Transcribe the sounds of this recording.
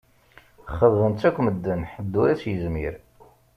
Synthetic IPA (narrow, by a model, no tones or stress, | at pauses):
χəððənt͡sːækʷːməd̪ːənħəd̪ːuɾæt͡sjəzmiɾ